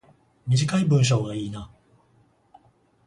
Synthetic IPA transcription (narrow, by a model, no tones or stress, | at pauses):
mʲiʑikaibɯ̟̃ɰ̃ɕ̬o̞ːɡaiːna